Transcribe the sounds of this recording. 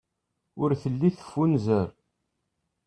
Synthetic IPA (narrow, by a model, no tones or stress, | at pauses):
ʊɾθəlːiθə̥fːunzəɾ